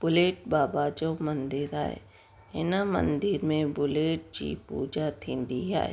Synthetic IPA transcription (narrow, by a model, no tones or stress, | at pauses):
b̥ʊleːʈ̚baːbad͡ʒomənd̪ɪɾa̰ːḛ | ɪ̰namə̰̃nd̪ɪɾmẽbʊleːʈ̚d͡ʒḭːpṵːd͡ʒat̪ʰɪ̃nd̪ia̰ːḛ